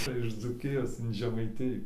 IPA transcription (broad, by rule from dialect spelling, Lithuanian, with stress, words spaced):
ˈt͡sʲɛ ɪʃ d͡zuːˈkʲɪjoːs ɪn ʒʲɛmɐɪˈtʲɪjuː